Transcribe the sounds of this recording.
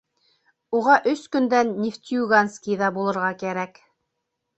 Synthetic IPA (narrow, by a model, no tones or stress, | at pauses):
uʁɑʔɵskɵ̆nd̪ænːʲift̪ʲiuɡanskʲiðɑbulˠɤ̆ɾʁɑkæɾæk